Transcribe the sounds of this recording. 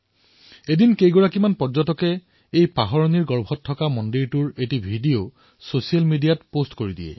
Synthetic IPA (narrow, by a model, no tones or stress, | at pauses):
edinkejɡɔɹakimanpɔd͡ʒɔtɔkɛ | ejpaɦɔɹoniɹɡɔɹbʱɔtʰːɔkamɔndiɹtuɹetibʱidijo | sosialmidijatpostkoɹidḭɛ̰